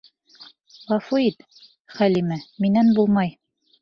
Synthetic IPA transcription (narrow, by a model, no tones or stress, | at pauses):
ʁɑfuit̪ | χælimæminænbulˠmɑj